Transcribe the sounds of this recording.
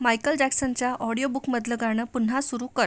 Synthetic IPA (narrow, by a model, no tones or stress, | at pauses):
majkəld͡ʑæksənt͡ɕjaʔɔɽijobukməd̪ləɡaɽ̃əːpun̤ːasuɾuːkəɾ